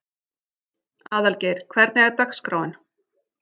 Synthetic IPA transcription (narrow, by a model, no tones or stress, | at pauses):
aːðalcɛjɾ̥kʰvɛɾt̪nɛɣaɾt̪axskɾaːwɪn